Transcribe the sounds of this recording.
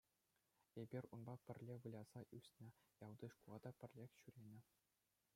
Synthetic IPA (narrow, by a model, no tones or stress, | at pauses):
ebʲirʲunbɑpʲɘ̆rʲlʲeʋɯlʲɑz̥ɑʔysʲnʲɘ̆jɑwd̪ɯʂkulˠɑd̪ɑpʲɘ̆rʲlʲexʲɕyɾʲenʲɘ̆